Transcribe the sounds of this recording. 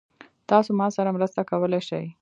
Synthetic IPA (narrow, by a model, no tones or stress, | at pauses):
t̪ɑsomɑsaɾamɾəst̪akawəleʃaj